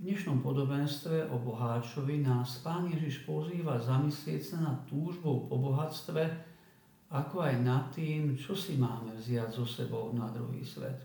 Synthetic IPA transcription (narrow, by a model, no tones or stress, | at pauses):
vɲɛʃnɔmpɔd̪ɔbɛnst̪ʋɛʔɔbɔɦaːt͡ʃɔʋinaːspaːnjɛʒiʃpɔziːʋazamislɪɛcsanat̪ːuːʒbɔʊpɔbɔɦat͡st̪ʋɛ | akɔajnat̪ːiːmt͡ʃɔsimaːmɛvzɪaɟzɔsɛbɔʊnad̪ɾṵɦḭːsʋɛ̰t̪